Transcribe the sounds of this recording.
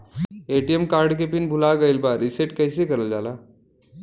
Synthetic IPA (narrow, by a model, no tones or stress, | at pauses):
eʈijemkaːɾɖk̬epinbʱʊlaɡəɪlbaɾɪseʈkəɪsekəɾəld͡ʒaːla